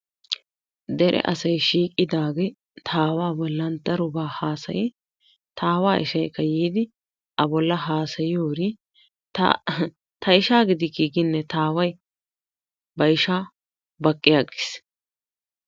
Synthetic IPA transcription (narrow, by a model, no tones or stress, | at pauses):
d̪ɛɾʔɛ̰ʔɐsɐjʃiːkʼːɪd̪aːɡɛ | t̪ʰaːwaːbɔlːɐnt̪ːɐɾʊbaːhaːsɐ̰jɪ | t̪ʰaːwaːʔɪ̰ʃɐjkːɐjiːd̪ɪ | ʔɐbɔlːɐɦaːsɐjɪjoːɾi | t̪ɐ̰ | t̪ɐɪʃaːɡɪd̪ɪɡɪɡɪnːɛt̪aːwɐj | bɐjʃaː | bɐkʼːɪjaɡɪ̥s